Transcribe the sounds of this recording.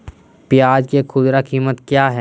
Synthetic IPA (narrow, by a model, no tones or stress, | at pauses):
pɪjaːd͡ʒkekʰʊd̪ɾakiːmət̪kjaːɦɛː